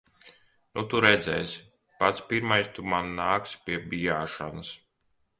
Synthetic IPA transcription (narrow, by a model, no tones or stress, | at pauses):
nut̪uɾɛd̪zɛ̰ːs | pat̪spiɾmajst̪umanːaːkspʲiɛbijaːʃa̰nɐs